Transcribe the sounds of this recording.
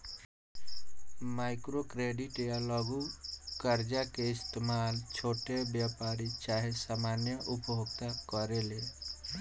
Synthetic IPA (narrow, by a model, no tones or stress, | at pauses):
majkɾokɾeɖiʈjalɔɡukəɾd͡ʒakeist̪emalt͡ʃʰoʈebjapaɾit͡ʃaɦesamanjəʔupɦoɡt̪akɔɾele